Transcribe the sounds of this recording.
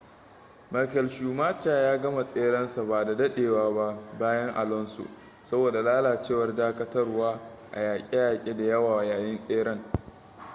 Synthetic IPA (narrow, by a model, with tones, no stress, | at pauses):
ma˨˦kɛ˨lʃuː˨maː˦t͡ʃaː˨jaː˦ɡɐ˦ma˨sʼeː˦ɽɐ˦nsa˨ba˨da˨dɐ˦ɗeː˨waː˦ba˦ʔbaː˦jɐ˦ŋʔa̰˨lɔ˦nso̰˨ | sɐ˦boː˨da˨laː˦laː˨t͡ʃeː˦˨wɐ˦rdaː˦kɐ˦tɐ˦rwaː˦ | ʔa̰˨jaː˨kʲʼe˦jaː˨kʲʼeː˦da˨jɐ˦waː˨jaː˨jɪ˦nsʼeː˦ɽɐ˦ŋ